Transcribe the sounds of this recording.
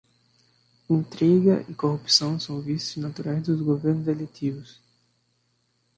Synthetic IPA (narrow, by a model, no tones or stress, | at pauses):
ẽnt̪ɾɛɡɐʔɪkohupsɐ̃w̃sɐ̃w̃vist̪ʊznat̪uɾajzd̪ʊzɡoveɾnʊzelet̪ivʊs